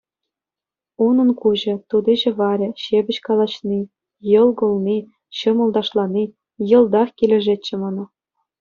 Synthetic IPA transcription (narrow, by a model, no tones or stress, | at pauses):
unɤ̆nkuʑɤ̆t̪ud̪iʑɘ̆βɑɾʲĕɕebʲɘ̆ɕkɑlˠɑt͡ɕni | jɤ̆lˠɡɤ̆lˠni | ɕɤ̆mɤ̆lˠd̪ɑʂlˠɑni | jɤ̆lˠd̪ɑχkʲilʲĕʐetʲt͡ɕːĕmɑnɑ